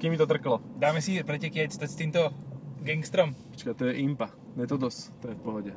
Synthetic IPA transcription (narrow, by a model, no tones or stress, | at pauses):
kiːmit̪ɔt̪r̩klɔd̪aːmɛsipɾɛcɛkɪacst̪ast̪iːmt̪ɔɡɛŋkst̪ɾɔmɔt͡ʃkat̪ɔjɛʔimpa | mɛt̪ɔd̪ɔst̪ɔjɛfpɔɦɔɟɛ